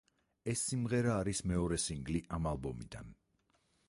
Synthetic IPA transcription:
ɛsːimʁɛɾaːɾismɛɔɾɛsiŋɡliʔamalˠbɔmḭd̪an

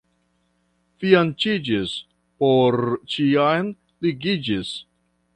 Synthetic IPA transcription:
fiant͡ʃid͡ʒis | poɾt͡ʃiajn | liɡid͡ʒis

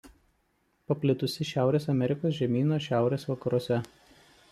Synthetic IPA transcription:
pɐpʲlʲɪt̪ʊsʲɪʃʲæˑʊɾʲeːsɐmʲɛɾʲɪkoːs̬ʒʲɛmʲiːnoːʃʲæˑʊɾʲeːsʋɐkɐɾuɔsʲɛ

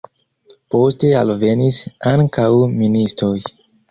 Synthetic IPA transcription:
po̞ste̞alve̞nisaŋkawministɾo̞j

